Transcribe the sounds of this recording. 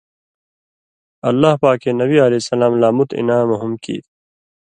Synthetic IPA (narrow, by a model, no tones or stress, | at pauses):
ɐlːaːhpaːkenɐbiɐlesɐlaːmlaːmut̪ḭnaːmʊɦumkḭː